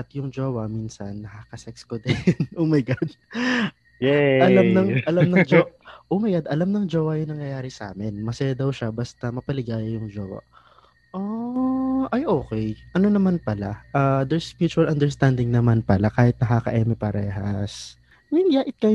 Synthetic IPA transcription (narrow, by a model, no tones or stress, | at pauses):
ʔɐt̪jʊŋd͡ʒoːwɐmiːnsɐnːɐhakɐsɛk̚skod̪ɛnʔoːmɐjɡad̪̚ | jɛʔɐlamnɐŋɐlamnɐd͡ʒoʔoːmɐjɡad̪ʔɐlamnɐŋd͡ʒoːwɐjʊŋnɐŋjɐjaːɾɪsɐʔa̰ːmɪnmɐsɛjad̪ɐwʃɐbast̪ɐmɐpɐlɪɡaːjɐjʊŋd͡ʒoːwɐ̰ | ʔo | ʔɐjʔo̞ːkɛjʔɐno̞nɐmanpɐlaʔaːd̪ɛɹsmjuːt͡ʃʊɐlʔɐnd̪ɛɹst̪and̪ɪŋnɐmanpɐlakaːhɪt̪̚nɐɦakɐ̰ʔɛːmɛpɐɾɛːɦɐ̰s | mɪnjaːʔɪt̪̚kɐ